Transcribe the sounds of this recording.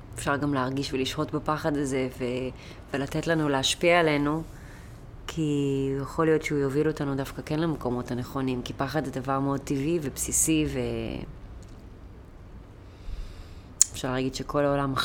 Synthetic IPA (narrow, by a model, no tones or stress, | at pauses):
efʃaʁɡamleaʁɡiʃveliʃχo̞tbepaχadaze̞ve | velatetlanuleaʃpiaːle̞nu | kʰijeχo̞lijo̞tʃeujovilo̞tanudafkakenlameko̞mo̞taneχo̞nimkipaχadzedavaʁmeo̞d̚tivivepsisive | efʃaʁlaːɡidʃe̞kʰo̞laolam